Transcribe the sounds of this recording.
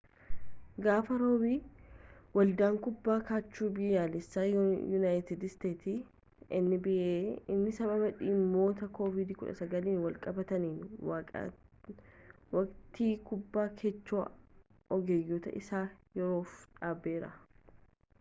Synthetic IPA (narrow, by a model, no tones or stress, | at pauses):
ɡaːfɐɾo̞ːbiː | wɐld̪aːŋkʊbːaːkaːt͡ʃːuːbɪjaːlɪsːaːjʊnaːjt̪ɪd̪st̪eːt̪i | ɪnːɪbɪʔeːɪnːɪsɐbɐbɐᶑɪːmːo̞ːt̪ɐkoːvɪd̪ɪkʊᶑɐ̰sɐɡɐliːnwɐlkʼɐbɐt̪ɐniːnwa̰ | wɐkt̪iːkʊbːaːkʰet͡ʃːoː | ɔɡɛjːuːt̪ɐ̰ʔɪsaːjɛɾo̞ːfᶑaːbːeːɾɐ̰